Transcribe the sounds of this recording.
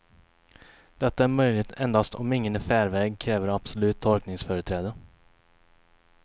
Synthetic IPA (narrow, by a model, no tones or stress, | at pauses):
d̪̥ɛt̪ːaæɾmœjlɪt̪ɛnd̪ast̪ʰɔmɪŋːənæfæːɾvɛːɡkʰɾɛːvəɾab̥sɔlʉ̟ːt̪ʰːɔlknɪŋsfœːɾət̪ʰɾɛːd̪ə